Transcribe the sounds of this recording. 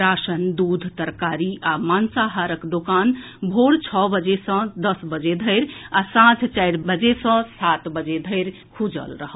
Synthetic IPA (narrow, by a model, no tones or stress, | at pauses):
ɾasənd̪ud̪ʱt̪əɾkaɾiamansaɦaɾəkd̪okan | bʱoɽt͡ʃʰɔbəd͡ʒesə̃d̪əsbəd͡ʒed̪ʱəɪɾasãt͡ʃʰt͡ʃajɽbəd͡ʒesʌ̃sat̪bəd͡ʒed̪ʱəɪɾ | kʰud͡ʒə̰lɾəɦəl